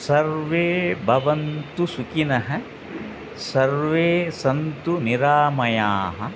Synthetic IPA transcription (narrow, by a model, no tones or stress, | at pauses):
sɐɾʋeːbʱɐʋɐnt̪usukinɐɦɐ̆ | sɐɾʋeːsɐnt̪uniɾaːmɐjaːɦɐ̆